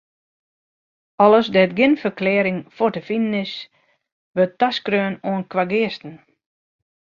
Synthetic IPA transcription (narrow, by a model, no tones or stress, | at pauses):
ɔləsdɛtɡɪnfəkleːɾɪŋfortəfinənɪs | ʋøtːaskrøːnoənkʋaɡɪəstn̩